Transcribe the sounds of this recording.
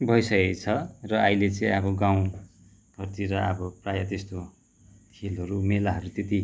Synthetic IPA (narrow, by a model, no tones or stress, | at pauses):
bʱʌjsʌket͡sʰʌrʌʌjlet͡sʌĩʌbʌɡãw̃ | ɡʱʌrt̪iɾʌʌ̰bʌprajat̪est̪o | t̪ʰelɦʌɾumelaɦʌɾut̪et̪i